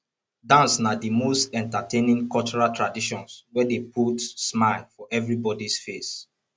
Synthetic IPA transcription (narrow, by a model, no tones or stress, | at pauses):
dãnsnadimostɛ̃ntatʰẽnĩŋkɔlt͡ʃɔɹaltʰɹadiʃɔ̃nswɛdepʰutsmaɪlfɔʔɛvɹibɔdisfes